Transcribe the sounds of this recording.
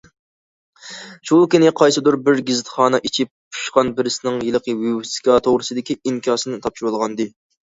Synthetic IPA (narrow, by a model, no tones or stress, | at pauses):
ʃukʲinɪqʰɑjsɨd̪uɾbɪɾɡʲɪzɪt̪χɑːnɨʔit͡ʃʰip̚t͡ʃʰu̥ʃqɑnbɪɾɪsɪnɪŋjilˠɨqʰəwewsi̥kʲɑt̪ʰoʁɾɨsɨd̪ɪkʲiiŋkʲʰɑːsɨnɨt̪ʰɑp̚ʃiwolˠʁɑnd̪ɨ